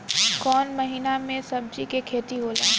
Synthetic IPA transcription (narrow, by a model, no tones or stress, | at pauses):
kɔːnmɐɦiːnamẽsɐb̚d͡ʒikekʰeːt̪iɦoːlaː